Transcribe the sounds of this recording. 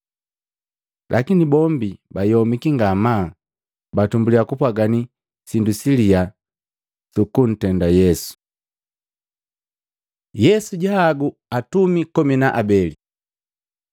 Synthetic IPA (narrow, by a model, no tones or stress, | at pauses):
lʔakinibɔmbibajɔmikiŋɡamaː | batumbuliakupwaɡani | sindusilia | tukun̩tɛndajɛsu̥ | jɛsuɟaːɡuatumikɔminaʔabɛli